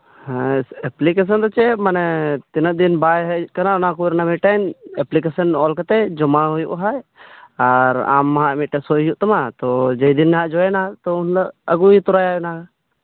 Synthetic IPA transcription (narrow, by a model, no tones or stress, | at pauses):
hɛ̃ɛplikes̬ənd̪ɔt͡ʃɛmanɛt̪inəd̪inbajɦɛkanaɔnakuɾnamiʈanɛplik̬esənɔlkat̪ɛd͡ʒɔmaɦujṵʔɦajaɾa̰mːaɦãmiʈɛsɔjujuʔt̪amat̪ɔd͡ʒejd̪inːɛɦaʔd͡ʒɔɛnat̪ɔunləəɡuit̪ɔɾajaʊnaka